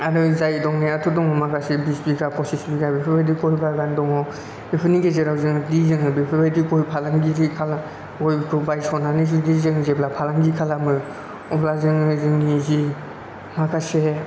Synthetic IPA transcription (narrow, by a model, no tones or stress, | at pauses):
aɾɯzajdɔŋniatʰudɔŋɔmakʰasebispikapʰɔsisbikabepʰibajdikɔjbajɡandɔŋɔ | bepʰɯnikezeɾawzɯŋdizɯŋɯbipʰɯbajdikɔjpʰalaŋɡiɾikʰala | ɔjbkʰɯbajsɔnanɯzidizɯŋzeblapʰalaŋɡikʰalamɯ | ɔplazɯŋɯzɯŋnizi | makʰase